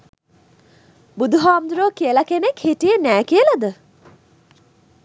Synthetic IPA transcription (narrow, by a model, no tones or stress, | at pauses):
bud̪uɦaːmd̪uɾoːkiəlakenekheʈijənæːkiəlad̪ə